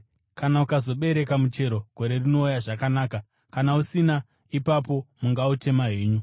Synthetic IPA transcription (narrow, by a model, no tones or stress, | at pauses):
kanaukazo̞ɓe̞ɾe̞kamut͡ʃe̞ɾo̞ɡ̥ʱo̞ɾe̞rino̞ujaʐakanaːka | kanausina | ipapo̞muŋɡaute̞maɦeːɲu